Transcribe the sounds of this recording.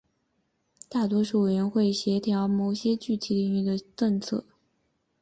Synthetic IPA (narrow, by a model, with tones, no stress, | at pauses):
t̪a˥˩t̪̬wɔ˥ʂu˥˩we˨˩ɥə˧˥nxwe˥˩ɪɕjɛ˧˥t̪ʰjɑ˧˥ʊmo˨˩ʊɕjɛ˥t͡ɕy˥˩t̪ʰi˨˧˥li˥˧ŋy˥˩d̪ə˩ʈ͡ʂɤ˥˧ŋt͡sʰɤ̰˥˩